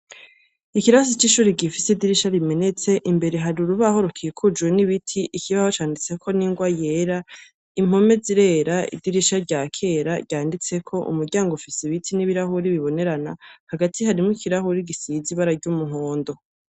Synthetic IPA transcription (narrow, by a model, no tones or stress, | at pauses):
ikiɾas̬it͡ʃiʃuːɾiɡifisidiɾiʃaɾime̞ne̞t͡se̞ʔimbe̞ɾeɦaɾuɾuβaho̞ɾokʰijekʰud͡ʒweniβitʰiʔikiβahot͡ʃaːndit͡se̞kʰo̞niŋɡwaje̞ːɾa | im̥ho̞me̞ziɾe̞ːɾaḭdiɾiʃaɾɟakʰe̞ːɾaɾɟaːndit͡se̞kʰo̞ʔṵmuɾɟaːŋɡofisiβitʰiniβiɾahuɾiβiβo̞ne̞ɾana̰haɡatʰihaɾimŋikiɾahuɾiɡisiziβaɾaɾɟumuɦoːndo̞